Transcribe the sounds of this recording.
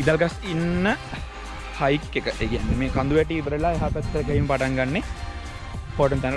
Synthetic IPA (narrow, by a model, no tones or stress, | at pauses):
id̪alɡasinːə | hɐjkːekəʔeːɡeanːemeːkɐnd̪uʋɛʈiːbəɾelaeɦapæt̪̚kəlkɐɦiməpaʈaŋɡanːe | poːʈəmt̪an